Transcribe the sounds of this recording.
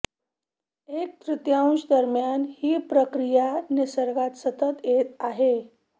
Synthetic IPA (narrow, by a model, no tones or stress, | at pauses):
ek̚t̪ɾɪt̪jãw̃sd̪əɾmjanhiːpɾəkɾijanisəɾɡat̪sət̪ət̪jet̪aɦe